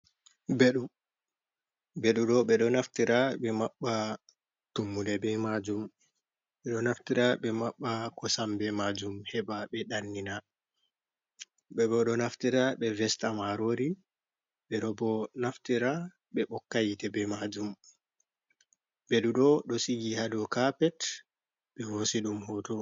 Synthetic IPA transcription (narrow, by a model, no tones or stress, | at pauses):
beɗu | beɗuɗɔɓɛɗɔnaftiɾaɓɛmaɓːa | tumːudɛbɛmad͡ʒum | ɓɛɗɔnaftiɾaɓɛmaɓːakɔsambɛmad͡ʒumhɛbaɓɛɗanːina | bɛbɔɗɔnaftiɾaɓɛvɛstamaɾoɾi | ɓɛɗɔbɔnaftiɾa | ɓɛɓɔkːajitɛbɛmad͡ʒum | bɛɗuɗɔɗɔsiɡihadɔkapɛt | ɓɛhosiɗumhɔtɔ